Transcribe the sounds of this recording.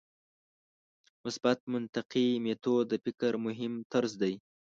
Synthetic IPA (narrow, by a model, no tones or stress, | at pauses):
mʊsbat̪̚mʊnt̪aqimet̪od̪əfɪkɾmʊɦɪmt̪aɾzd̪aj